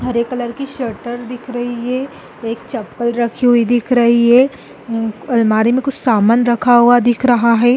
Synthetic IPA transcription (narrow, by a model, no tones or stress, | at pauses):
ɦɐɾeːkːɐləɾkiʃəɾʈəɾd̪ɪkʰɾɐɦiɦɛː | eːk̚t͡ʃɐpkəlɾɐkʰiɦʊid̪ɪkʰɾɐɦiɦɛː | ɐlmaːɾimẽkʊt͡ʃʰsaːmənɾɐkʰaɦuad̪ɪkʰɾɐɦaɦɛː